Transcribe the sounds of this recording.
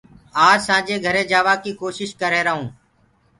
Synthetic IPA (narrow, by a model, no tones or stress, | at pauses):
aːsãːd͡ʒeːɡʱəɾẽːd͡ʒaːʋaːkiːkoːʃɪʃkəɾeːɾəɦũː